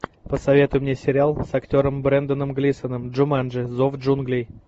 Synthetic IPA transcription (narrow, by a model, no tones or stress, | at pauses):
pəsɐvʲe̞t̪ʊjʊmnʲesʲɪɾʲɪalˠsɐktʲo̞ɾəmbɾɛnd̪ənəmɡlʲisənəmdʐʊmanʐɨzovʐunɡlʲɪj